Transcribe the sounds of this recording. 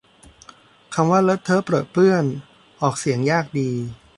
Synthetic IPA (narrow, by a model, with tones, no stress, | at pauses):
kʰa˧mwaː˥˩lɤ˦˥t̪ʰːɤː˦˥pɾɤː˨˩t̪̚plɯ˥˩ən | ʔɔː˨˩k̚si˩˦əŋjaː˥˩k̚diː˧